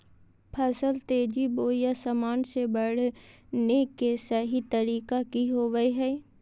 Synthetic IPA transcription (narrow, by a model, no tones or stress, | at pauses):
pʰɐsəlt̪eːd͡ʒiboːjasɐmaːnsebɐɽ̤nekːesɐɦit̪ɐɾiːkakiɦoːʋəeɦɛː